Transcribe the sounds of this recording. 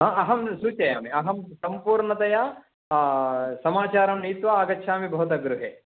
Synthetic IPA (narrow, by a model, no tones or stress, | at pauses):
ɦãːɐɦɐmsuːt͡ʃɐja̰ːmiɐɦɐmsɐmpuːɾɳɐt̪ɐjaː | sɐmaːt͡ʃaːɾɐmniːt̪ʋaaːɡɐːʃʰaːmibʱɐːd̪ɐɡɾuɦeː